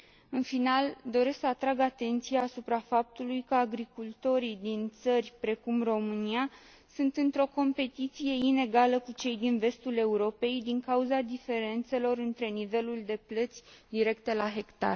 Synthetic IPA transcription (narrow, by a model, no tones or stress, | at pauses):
ɨnfinald̪o̞ɾe̞sksəat̪ɾaɡat̪e̞nt̪sijaːsupɾafap̚t̪ulujkəaɡɾikult̪o̞ɾid̪int̪sərʲpɾe̞kumro̞mɨnia | sunt̪ɨnt̪ɾo̞ko̞mpe̞t̪it̪sije̞ine̞ɡaləkut͡ʃe̞jd̪inve̞st̪ule̞uɾo̞pe̞jd̪iŋkauzad̪ife̞ɾe̞nt̪se̞lo̞ɾɨnt̪ɾe̞nive̞luld̪e̞plət̪sʲd̪iɾe̞kt̪e̞laɦe̞kt̪a̰r